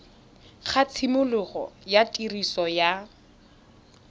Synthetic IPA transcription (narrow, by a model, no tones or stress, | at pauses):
χʰat͡sʰimʊlʊɣɔ̰jatʼirisɔja